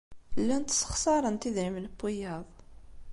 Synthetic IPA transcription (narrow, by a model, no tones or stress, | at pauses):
lːænt̪sˤə̥χsˤɑɾˤənt̪iðɾimləpːijɑðˤ